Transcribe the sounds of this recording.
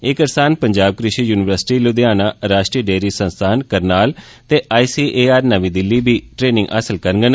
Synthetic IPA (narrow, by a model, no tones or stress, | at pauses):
ɪkəɾsaːnpəɲd͡ʒaːb̚kɾɪʃiːjuːnɪʋəɾsɪ̥ʈiːlʊd̪jaːnaːɾaːʃʈɾiːɖeːɾiːsə̃nst̪ʰaːnkəɾnaːl | t̪eːʔaːiːsiːʔeːaːɾnəʋĩːd̪ɪlːiːbiːʈɾeːnɪ̃ŋɡə̰səlkəɾɡən